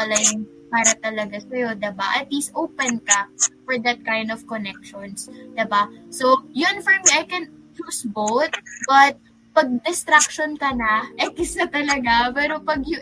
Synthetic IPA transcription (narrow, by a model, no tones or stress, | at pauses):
ɐlɐjʊŋ | paːɾɐt̪ɐlɐɡasɐjo̞d̪ɪbaʔɐt̪liːsʔowpɛnkɐfɔɹd̪ɐt̪̚kajnd̪ɔv̥kɔnɛk̚ʃɔnsd̪ɪbasowjʊnfɔɹmiʔɐjkɛnt͡ʃuːsbowt̪̚bɐt̪̚ | pɐɡ̚d̪ɪst̪ɾak̚ʃonkɐnɐʔɐjʔɪsat̪ɐlɐɡapɛːɾo̞pɐɡjʊ